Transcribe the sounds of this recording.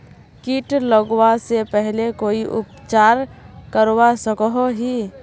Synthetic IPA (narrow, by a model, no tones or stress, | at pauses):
kiːʈləɡwasepɛɦlekoːiʔʊ̰pt͡ʃaːɾ | kəɾwasəkɦoɦiː